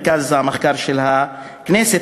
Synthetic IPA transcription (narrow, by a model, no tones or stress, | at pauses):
kazameχkaɾʃelha | knɛse